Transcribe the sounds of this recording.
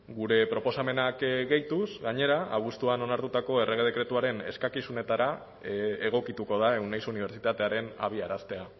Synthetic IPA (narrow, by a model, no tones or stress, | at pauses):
ɡuɾe̞pɾo̞posame̞nakɡe̞jt̪usɣaɲe̞ɾaʔaβ̞ust̪uano̞naɾt̪ut̪ako̞e̞re̞ɣe̞ð̞e̞kɾe̞t̪uaɾe̞ne̞̰skakisune̞t̪aɾa | eɣ̞o̞kit̪uko̞ð̞ae̞wnejsuniβ̞e̞ɾt͡ʃit̪at̪e̞aɾe̞na̰β̞iaɾast̪e̞a